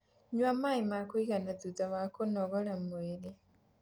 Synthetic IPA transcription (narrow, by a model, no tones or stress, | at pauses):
ɲwamaimakoiɣanadudaβakonɔɣɔɾamoeɾe